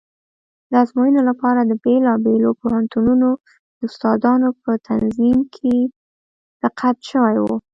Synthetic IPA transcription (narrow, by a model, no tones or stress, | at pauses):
d̪əazmɑjənolapɑɾad̪əbelɑbelopohant̪ununo | d̪̥əʊst̪ɑd̪ɑnopət̪ʰanzimkʰe | ɾ̥aqat̪ʃəwajwu